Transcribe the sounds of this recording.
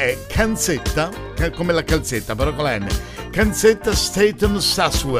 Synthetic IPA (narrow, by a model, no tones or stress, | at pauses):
ɛkʰant̪set̪ːa | kakomelakalt̪set̪ːapeɾɔkːalɛnːḛ | kant̪sɪt̪ːast̪et̪ɔmsaswɛ